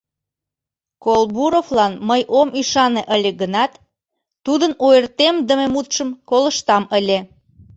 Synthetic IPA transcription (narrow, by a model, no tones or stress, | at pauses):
kolbuɾoflɑnməjʔomyʃɑneʔəlʲeɡənɑt̪ː | ud̪ənojərt̪emd̪əmemut̪ʃəmkoləʃt̪ɑməlʲe